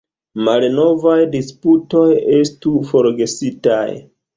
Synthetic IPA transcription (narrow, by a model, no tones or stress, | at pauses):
malno̞vajdisputo̞je̞stufo̞ɾɡe̞sita̰j